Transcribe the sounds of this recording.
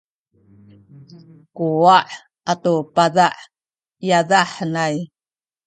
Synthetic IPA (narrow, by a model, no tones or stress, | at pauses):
kuaʔ | atopaðaʔ | jaðaħnaj